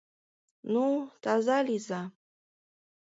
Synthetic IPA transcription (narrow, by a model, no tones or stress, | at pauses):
nut̪azaliza